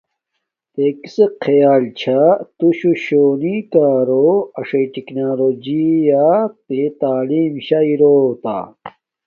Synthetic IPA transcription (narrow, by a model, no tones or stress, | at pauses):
t̪ekiseqʰejaːlt͡ɕʰat̪uɕuɕoːnikaːɾoɐʂeʈiknaːlod͡ʑijap̪et̪aːliːmɕaiɾoːt̪a̰ː